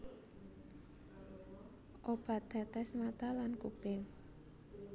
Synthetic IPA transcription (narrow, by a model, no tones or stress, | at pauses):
ʔob̥a̤d̪̥a̤t̪ɛsnat̪alankub̥ɪŋ